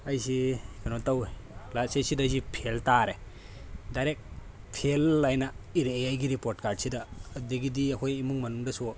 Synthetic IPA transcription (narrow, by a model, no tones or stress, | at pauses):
ɐjsikenotaw | lasesidazipʰeltaɾe | dajɾek̚ | pʰelːajnɐiɾeeajɡiɾipoɾt̚kaɾdsidɐːdiɡidiɐkʰojimuŋmɐnuŋdɐsɔ